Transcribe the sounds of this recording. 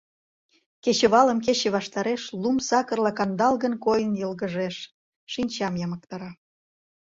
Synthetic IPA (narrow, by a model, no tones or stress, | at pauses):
ket͡ɕeβɑlə̆mk̬et͡ɕĕβɑʃt̪ɑɾeʃlumsɑkərlɑkɑnd̪ɑlɣənkojənjɤlɣəʒeʃ | ʃinʲt͡ɕɑmjɑmək̚t̪ɑɾɑ